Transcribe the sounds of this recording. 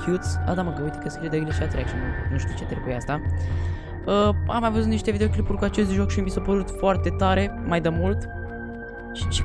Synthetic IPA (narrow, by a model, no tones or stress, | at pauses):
kjut̪sa̰d̪aməɡəujt̪ekəesid̪əɡliʃiat̪ɾekʃinunuʃt̪iut͡ʃet̪ɾebujeast̪a | əa̰majvəzut̪niʃt̪e̞vid̪eoklipurʲkuat͡ʃe̞s̬t̪ʒo̞kʃimbisopəɾut̪foart̪e̞t̪aɾe̞majd̪əmult̪ | ʃi̥ʃi̥